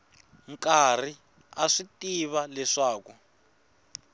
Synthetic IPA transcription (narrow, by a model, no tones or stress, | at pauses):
ŋkari | aʂitiβalɛʂaːku